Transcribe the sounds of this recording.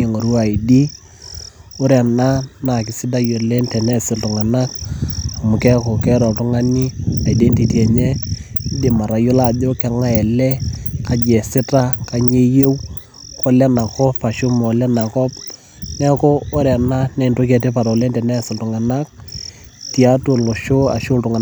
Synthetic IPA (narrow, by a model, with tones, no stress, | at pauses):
e˨ŋo˨ɾu˦a˨i˨di˦ | o˦ɾɛ˨na˦na˨kɪ˨sɪ˦da˦jo˨le˦ntɛ˨nɛ˦sɪ˨ltʊ˨ŋa˨na˦k̚a˨mʊ˨kɛ˦kɔ˨kɛ˦ɾɔ˨tʊ˦ŋa˦ni˦a˨i˨dɛ˦nti˨ti˦ɛ˨ɲɛ˦ | dɪ˨ma˨ɾa˨jo˦la˦˨do˦kɛ˨˦ŋa˦ɛ˨lɛ˦ka˨d͡ʒɛ˨sɪ˦ta˦ka˨ɲe˦jo˦w | kʰɔ˦lɛ˦na˨kɔ˦pa˨ʃʊ˦mɔ˨lɛ˦na˨kɔ˦p | nɛ˦koː˦ɾɛ˨na˦nɛ˨ndo˦kɛ˨te˦pa˨ɾɔ˨lɛ˦ntɛ˨nɛ˦sɪ˨ltʊ˨ŋa˨na˦k̚ | ti˨a˦to˨lo˨ʃo˦a̰˨ʃʊ˦ltʊ˨ŋa˨